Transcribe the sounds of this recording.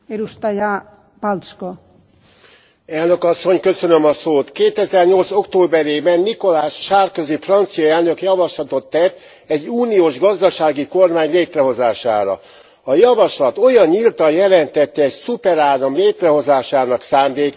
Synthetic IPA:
ɛɾuʃt̪aja | palsko | ɛlnøkɒsːo̞ɲkø̞sønømɒsoːt̪keːt̪ɛzɛrɲo̞lt̪so̞kt̪oːbɛɾeːbɛnːiko̞laːʃʃaːrkøzifrɒnt̪sijɒɛlnø̞kjɒvɒʃlɒt̪o̞t̪ːɛt̪ː | ɛɟːuːnijoːʒɡɒzd̪ɒʃaːɡiko̞rmaːɲleːt̪rɛɦo̞zaːʃa̰ːɾɒ̰ | ɒjɒvɒʃlɒt̪o̞jɒnɲilt̪ɒjɛlɛnt̪ɛt̪ːɛɛcsupɛɾaːd̪ɒmleːt̪rɛɦo̞zaːʃaːnɒksaːmd̪eːk

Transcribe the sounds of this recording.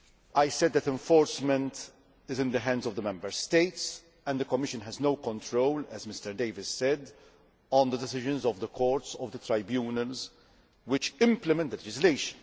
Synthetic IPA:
ajsɛd̪ːɛt̪ɛ̃ɱfɔːɾsmɛ̃nt̪ | ɪzɪ̃nd̪əɦɛ̃ndzɔvd̪əmɛ̃mbəɾst̪eɪts | ɛ̃nd̪əkɔmːɪʃə̃nɦɛznowkɔ̃nt̪ɾowlɛzmɪst̪əɾd̪eɪvɪssɛd̪ | ɔ̃nd̪əd̪ɛsɪʒɨ̃nzɔvd̪əkʰɔːɾtsɔvd̪ət̪ɾajbjuːnəlz | wɪt͡ʃɪ̃mpləmɛ̃nt̪̚d̪əlɛd͡ʒɪsleɪʃə̥̃n

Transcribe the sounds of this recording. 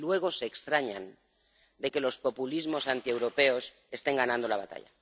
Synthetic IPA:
lwe̞ɣ̞o̞se̞ːkst̪ɾaɲan | d̪e̞ke̞lo̞spo̞pulizmo̞sant̪ie̞wɾo̞pe̞o̞s | e̞st̪e̞ŋɡanãnd̪o̞laβat̪a̰ʎa̰

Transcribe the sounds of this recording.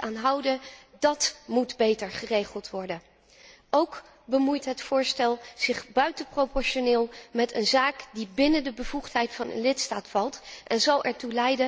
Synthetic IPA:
aːnɦɑwdədɑtmudbejtəɹχərejχəlˠtʋɔɹdən | ʔowk | bəmujtɦətfʊːɹstɛlˠz̥ɪχbœɥtəprowpɔɹʃonɪːlˠmɛtənzaːkdibɪnəndəbəvuχtɦɛjtfɑnə̰nlɪtstaːtfɑlˠtʔɛnzɑlˠʔɛ̰ɹtulɛjdə

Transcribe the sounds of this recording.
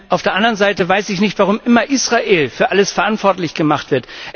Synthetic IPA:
ʔaʊfd̥eːɐʔandəʁənzaɪtəvaɪsɪçnɪçtv̥aʁ̞ʊmʔɪmɐʔiːsʁ̥aʔeːlfyːɐʔaləsfɛɐʔantv̥ɔɐtlɪçɡ̥əmaχtv̥ɪɐt

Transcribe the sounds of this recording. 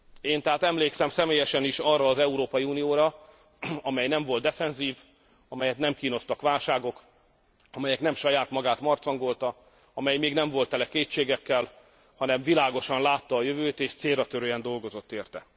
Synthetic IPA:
eːnt̪ɛɦaːt̪ɛmleːksɛmsɛmeːjɛʃɛniʃɒrːɒːzɛuɾoːpɒjiuːnijoːɾɒ | ɒmɛjnɛɱvo̞lt̪d̪ɛfɛnziːv | ɒmɛjɛt̪nɛmkiːno̞st̪ɒkʋaːlʃaːɡo̞k | ɒmɛjɛknɛmʃɒjaːt̪mɒɡaːt̪mɒrt̪sɒŋɡo̞lt̪ɒ | ɒmɛjmeːɡnɛɱvo̞lt̪ːɛlɛkeːt͡ʃːeːɡɛkːɛl | hɒnɛmvilaːɡo̞ʃɒnlaːt̪ːɒːjøvøːt̪eːʃt̪seːrːɒt̪øɾøɛnd̪o̞lɡo̞zo̞t̪ːeːrt̪ɛ

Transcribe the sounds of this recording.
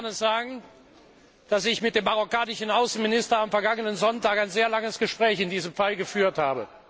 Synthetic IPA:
anɛsz̥aːɡŋ̩ | d̥asɪçmɪt̚d̥eːmːaʁokaːnɪʃn̩ʔaʊsn̩mɪnɪstɐamfɛɐɡaŋənənzɔntaːkaɪnzeːɐlaŋəsɡ̥əʃpʁ̥ɛːçɪndiːzəmfalɡəfyːɐthaːbə

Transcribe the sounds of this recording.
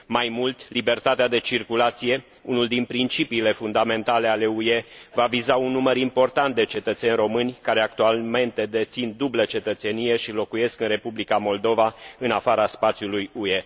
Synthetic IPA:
majmult̪libe̞rt̪at̪ead̪e̞t͡ʃirkulat̪sije̞ | unuld̪inpɾint͡ʃipiːle̞fund̪ame̞nt̪ale̞ale̞ue̞vavizaunːuməɾimpo̞rt̪ant̪̚d̪e̞t͡ʃe̞t̪ət̪se̞nʲro̞mɨnʲkaɾe̞ak̚t̪ualme̞nt̪e̞d̪e̞t̪sind̪ublət͡ʃe̞t̪ət̪se̞nije̞ʃilo̞kuje̞skɨnre̞publikamo̞ld̪o̞vaɨnafaɾaspat̪sijulujue̞

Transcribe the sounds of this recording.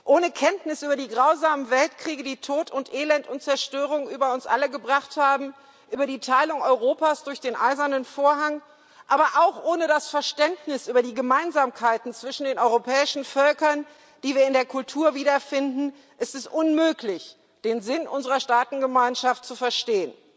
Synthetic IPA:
ʔoːnəkʰɛntnɪsʔyːbɐdiːɡʁaʊzaːmənvɛltkʁ̥iːɡədiːtʰoːtʰʊntʔeːlɛntʊntt͡sɛɐʃtøːʁ̞ʊŋʔyːbɐʊnsʔa̰ləɡəbʁaχthaːbm̩ | ʔyːbɐdiːtʰaɪlʊŋɔʏʁ̞oːpaːsd̥ʊɐçd̥eːnʔa̰ɪzɐnənfoːɐɦaŋ | ʔaːbɐʔaʊxʔoːnədasfɛɐʃtɛntnɪsʔyːbɐdiːɡəmaɪnzaːmkʰaɪtn̩t͡sv̥ɪʃn̩deːnʔɔʏʁopʰɛːɪʃn̩fœlkɐn | d̥iːviːɐɪndeːɐkʰʊltʰuːɐviːdɐfɪndn̩ | ʔɪstɛsʔʊnmøːklɪç | d̥eːnzɪnʔʊnzəʁɐʃtaːtn̩ɡəmaɪnʃaftt͡sufɛɐʃteːən

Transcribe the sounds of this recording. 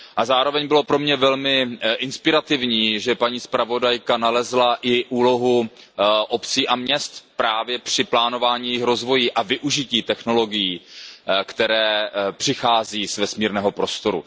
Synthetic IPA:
ʔazaːɾo̞vɛɲbɪlo̞pɾo̞mɲɛvɛlmɪʔɪnspɪɾat̪ɪvɲiːʒɛpaɲiːspɾavo̞dajkanalɛzlaʔɪʔuːlo̞ɦu | ʔopt͡siːʔamɲɛst̪pɾaːvjɛpr̝̥ɪplaːno̞vaːɲiːjɪxɾo̞zvo̞jiːʔavɪʔuʒɪciːt̪ɛxno̞lo̞ɡɪjiːkt̪ɛɾɛːpr̝̥ɪxaːziːzvɛsmiːɾnɛːɦo̞pɾo̞st̪o̞ɾṵ

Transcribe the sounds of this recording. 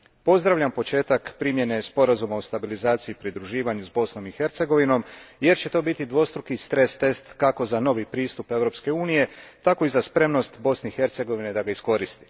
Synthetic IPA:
po̞zd̪ɾaʋʎampo̞t͡ʃe̞ːt̪akpɾimje̞ne̞spo̞ɾazumaost̪abilizaːt̪siipɾid̪ɾuʒiːʋaɲuzbo̞sno̞mixe̞ɾt̪se̞ɡo̞ʋino̞mje̞ɾt͡ɕe̞t̪o̞ːbit̪id̪ʋo̞st̪ɾukist̪ɾest̪e̞st̪kako̞zano̞ʋipɾiːst̪upe̞ʋɾo̞pske̞uːnije̞t̪ako̞izaspɾe̞mno̞st̪bo̞sneixe̞ɾt̪se̞ɡo̞ʋined̪aɡaisko̞ɾist̪i̥

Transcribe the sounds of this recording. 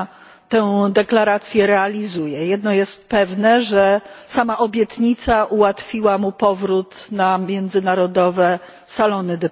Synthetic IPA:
t̪ɛwd̪ɛklaɾat̪sʲjɛɾɛalʲizujɛjɛd̪nɔjɛst̪̚pɛvnɛʐɛsamaʔɔbʲjɛt̪ɲit̪saʔuwat̪fʲiwamupɔvɾut̪namʲjɛnd̪zɘnaɾɔd̪ɔvɛ | salɔnɘd̪ɛ

